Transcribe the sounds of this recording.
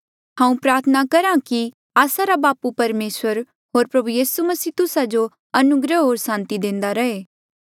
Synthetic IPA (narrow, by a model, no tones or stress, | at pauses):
ɦãːũpɾaːɾt̪ʰənakɐɾãki | aːsaɾabaːpupɐɾmeːsʋəɾ | ɦoːɾpɾɐbujiːsumɐsiːt̪ʊsad͡ʒo | ɐnʊɡɾəɦoːɾsãːnt̪id̪ẽːnd̪aɾɐɦeː